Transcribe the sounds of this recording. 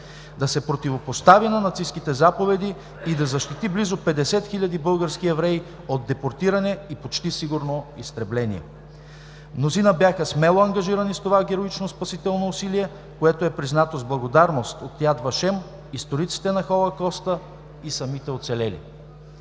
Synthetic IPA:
d̪ɐsɛpɾot̪ivopost̪avinɐnɐt̪siskit̪ɛzapovɛd̪i | id̪ɐzɐʃt̪it̪iblizopɛd̪ɛsɛt̪xiʎʲɐd̪ibɤlˠɡəɾsk̟iɛvɾɛi | od̪ːɛpoɾt̪iɾɐnɛipot͡ʃt̪isiɡuɾnoist̪ɾɛblɛnḭɛ̰ | mnozinəbjaxəsmɛlˠoɐŋɡɐʒiɾɐnist̪ovaɡʲɛɾoit͡ʃnospɐsit̪ɛlˠnoːsiliɛ | koɛt̪oɛpɾiznat̪ozblˠɐɡod̪aɾnost̪ot̪ːjad̪vɐʃɛm | ist̪oɾit̪si̥t̪ɛnɐxolˠɐkɔst̪ə | isɐmit̪ɛot̪sɛlɛlḭ

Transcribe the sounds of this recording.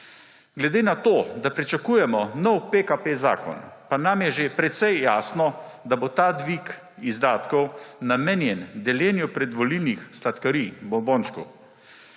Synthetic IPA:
ɡlɛd̪eːnat̪oːd̪apɾit͡ʃakuːjɛmɔnɔwpekapeza̰ːkɔ̰npanamjɛʒepɾɛt̪sɛjːaːsnɔd̪abot̪aːd̪ʋik | izd̪aːt̪kɔwnameːnjɛnd̪ɛljɛːnjupɾɛd̪ʋɔlilnixslat̪kɐɾibɔmbɔnt͡ʃkṵ

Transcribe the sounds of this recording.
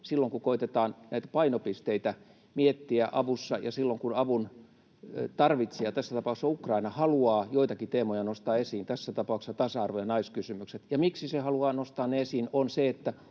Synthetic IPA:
silːoŋkukoit̪et̪ɑːnnæit̪æ̥pɑinopist̪eit̪æ | miet̪ːiæʔɑʋusːɑjɑsilːoŋkunɑʋun | t̪ɑrʋit̪sejɑt̪æsːæt̪ɑpɑˑuksːɑukrɑinɑhɑluɑːjoit̪ɑkit̪eːmojɑnost̪ɑːesiːnt̪æsːæt̪ɑpɑˑuksɑt̪ɑsɑɑrʋojɑnɑiskysymykset̪jɑmiksisehɑluɑːnost̪ɑːneesiːnonseet̪ːæ

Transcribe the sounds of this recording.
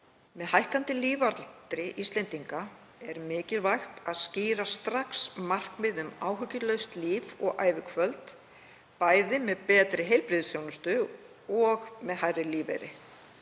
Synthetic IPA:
mɛðhajhkant̪ɪliːvaɾlt̪ɾɪʔist̪lɛnt̪iŋka | ɛɾmɪːcɪlvajxt̪aðsciːɾast̪ɾaksmar̥kmɪðʏmaːwɦʏcːɪlœɥst̪liːvɔɣa̰ːjvɪkʰvœlt̪ | paːjðɪmɛðpɛːt̪ɾɪɦejlpɾɪðsjownʏst̪ʏ | ɔɣmɛðhajrɪliːvḛjɾɪ̰

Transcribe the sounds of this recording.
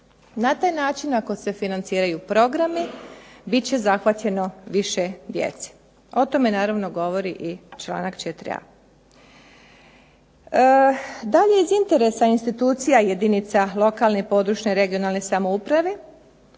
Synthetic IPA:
nat̪aːjnaːt͡ʃinako̞se̞finant̪siːɾajupɾo̞ɡɾamibit͡ɕe̞zaxʋat̪ʎe̞no̞ʋiʃe̞d̪jḛt̪se̥ | o̞t̪o̞me̞naːɾaʋno̞ɡo̞ʋo̞ɾiʔit͡ʃlˠa̰ːnakt͡ʃet̪ɾḭa̰ | d̪aʎeizint̪e̞ɾe̞sainst̪it̪uːt̪sijajed̪init̪salo̞kaːlˠnepo̞d̪ɾuːʃɲe̞ɾe̞ɡio̞naːlˠne̞samoupɾaʋe̞

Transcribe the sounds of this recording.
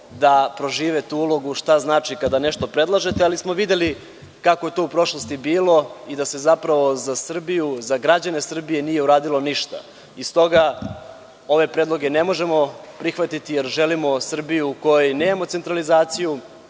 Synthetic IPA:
d̪apɾo̞ʒiːʋet̪uulo̞ɡuʃt̪aznaːt͡ʃikad̪ane̞ʃt̪o̞pɾe̞d̪lˠaʒe̞t̪ealismo̞ʋid̪e̞li | kakoje̞t̪oupɾo̞ʃlost̪ibiːlˠo̞id̪ase̞zapɾaʋo̞zasr̩bijuzaɡɾad͡ʑane̞sr̩bije̞nije̞uɾaːd̪ilˠo̞niʃt̪a̰ | ist̪o̞ɡa | o̞ʋe̞pɾed̪lˠo̞ɡe̞ne̞mo̞ʒe̞mo̞pɾixʋat̪it̪ijeɾʒelimo̞sr̩bijuːko̞jone̞ːmamot̪e̞nt̪ɾalizaːt̪siju

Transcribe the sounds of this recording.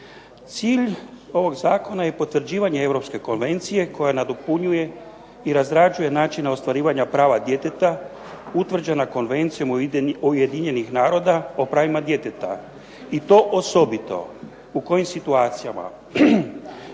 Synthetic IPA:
t̪siːʎo̞ʋo̞ɡzaːko̞naje̞po̞t̪ːʋr̩d͡ʑiːʋaɲe̞e̞vɾo̞pske̞ko̞nʋe̞nt̪sije̞ko̞janad̪opuɲuje̞ | iɾazɾad͡ʒuje̞naːt͡ʃinao̞st̪ʋaɾiːʋaɲapɾaːʋad̪je̞t̪et̪a | ut̪ʋr̩d͡ʑenako̞nʋe̞nt̪sijo̞muje̞d̪iɲe̞nixnaːɾo̞ːd̪aopɾaːʋimad̪je̞t̪e̞t̪a | it̪o̞ːʔoso̞bit̪o̞̰ | uko̞jimsit̪uaːt̪sija̰ma̰

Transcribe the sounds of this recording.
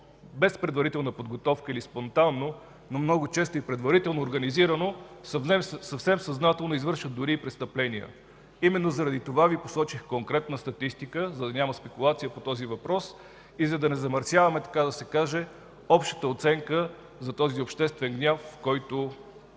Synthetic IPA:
bɛspɾɛd̪vɐɾit̪ɛlˠnəpod̪ɡot̪ɔfkəilispont̪anːo | nomnɔɡot͡ʃɛst̪oipɾɛd̪vɐɾit̪ɛlˠnoːɾɡɐniziɾənosɐɛsɐfsɛmsɐznat̪ɛlˠnoizvɤɾʃət̪̚d̪ʊɾiːpɾɛst̪əplɛniə̰ | imɛnːozɐɾɐd̪it̪ovavipo̥sɔt͡ʃixkoŋkɾɛt̪̚nəst̪ɐt̪ist̪ikəzɐd̪ɐnʲaməspɛkulˠat̪sijəpot̪ɔzivɐpɾɔs | izɐd̪ɐnɛzɐmɐɾsʲjavɐmɛt̪ɐ̥kad̪ɐsɛkaʒɛ | ɔpʃt̪ə̥t̪əot̪sɛŋkə | zɐt̪ɔziopʃt̪ɛst̪vɛŋɡnʲafːkɔjt̪o

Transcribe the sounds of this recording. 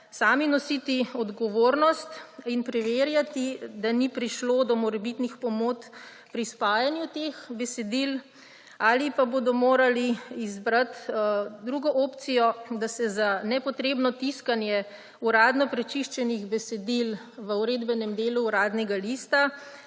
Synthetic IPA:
saːminɔsit̪iɔd̪ɡɔʋoːɾnɔst̪inpɾɛʋeːɾjat̪id̪anipɾiʃlod̪ɔmɔɾɛbit̪nixpɔmoːt͡s̪ | pɾispaːjanjut̪exbɛsɛd̪il | aːlipabod̪ɔmoːɾaliizbɾat̪d̪ɾuːɡɔʔoːpt̪sijɔd̪asɛzanɛpɔt̪ɾeːbnɔt̪iskanjɛ | uɾaːd̪nɔpɾɛt͡ʃiʃt͡ʃɛniɣbɛsɛd̪il | ʋəuɾeːd̪bɛnɛmd̪eːluːɾaːd̪nɛɡalist̪a

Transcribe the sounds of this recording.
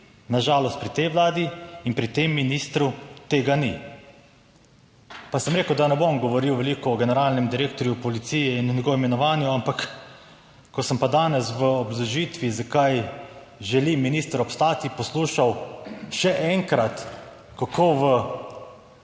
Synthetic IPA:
naʒaːlɔst̪̚pɾit̪ɛjʋlaːd̪iːnpɾit̪emːinist̪ɾut̪eːɡani | pasəmɾeːkəwd̪anɛbomɡɔʋɔɾiwʋɛlikɔːɡɛnɛɾaːlnɛmd̪iɾeːkt̪ɔɾjupɔlit̪sijɛinunɲɛɡɔʋimɛnɔʋaːnjuampak | kɔsəmpad̪aːnɛsʋəɔbzɔʒit̪ʋizakaj | ʒɛliminist̪əɾɔpst̪aːt̪ipɔsluːʃawʃɛʔɛŋkɾat̪ | kakʰoːʋə

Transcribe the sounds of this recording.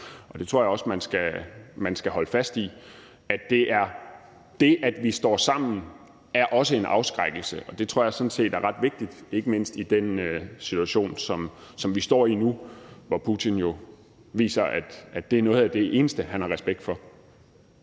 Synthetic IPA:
ɒ̽d̥e̝t͡sʰʁo̰ɐjɑ̈ɒ̽smænsɡ̥æmænsɡ̥æhɒ̽ləfæsd̥i | æd̥e̝ʔæɐ | d̥e̝ʔæd̥ʋisd̥ɒ̰ːsɑ̈m̰n̩ | æɐʔɒ̽səe̝nʔɑ̈ʊsɡ̥ʁaɡ̥l̩səʔɒ̽d̥e̝t͡sʰʁo̝ɐ̰jɑ̈sɒ̽n̩se̝̰ːd̥æɐʁɑ̈d̥ʋe̝ɡ̥̚d̥id̥e̝ɡ̥əme̝n̰sd̥id̥enøsit͡sʰuæɕo̝̰ːnsɒ̽m | sɒ̽mʋisd̥ɒ̰ːinuʋɒpʰut͡sʰinjo̝ | ʋḭːsɐʔæd̥ʔæd̥e̝æɐnɔ̽ːð̩ˠæd̥e̝ʔe̝ːnəsd̥əhænhɑ̈ʁɛsb̥eɡ̥̚d̥fɒ̽

